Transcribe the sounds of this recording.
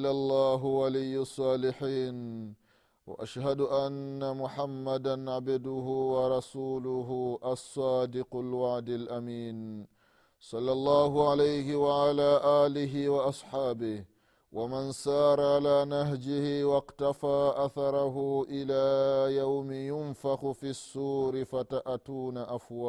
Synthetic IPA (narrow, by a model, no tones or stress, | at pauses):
lʔalˤːɑːɦʊwalijːsˤːɑːlɪħiːn | wa̰ʔaʃhad̪ʊʔanːamʊħamːad̪anʕabd̪ʊɦʊwɑɾˤɑsuːlʊɦʊʔɑsˤːɑːd̪ɪqalwaʕd̪alʔamiːn | sˤɑlːɑlˤːɑːɦʊʕalajhɪwaʕalaːʔaːlɪɦɪwaʔɑsˤħaːbɪh | wʔamansɑːɾˤʕalaːnaɦd͡ʒɪhɪwɑqt̪afaːʔaθɑɾˤɑɦʊʔɪlaːjawmɪjʊnfaxʊfiːsːuːɾɪfataʔatuːnaʔafwaː